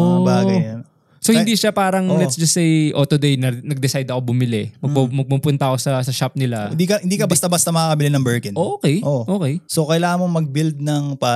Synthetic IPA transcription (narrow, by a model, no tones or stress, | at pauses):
ɐbaːɡɐjɐn | sohɪnd̪iʃapaːɾɐŋlɛtsd͡ʒɐst̪ːejʔo̞t̪ʊd̪ɛjnɐnɐɡ̚d̪ɪsajd̪ɐkobʊmɪlɛmɐɡ̚pumɐɡ̚pupʊnt̪ɐko̞sɐsɐʃap̚nɪland̪ikɐhɪnd̪iːkɐbɐst̪ɐbɐst̪ɐmɐkaːkɐbɪlɪnɐŋbɛɹkɪnʔoʔoːkɛjʔoʔoːkɛjsokɐjlaːŋɐmoŋmɐɡ̚bild̪̚nɐŋpa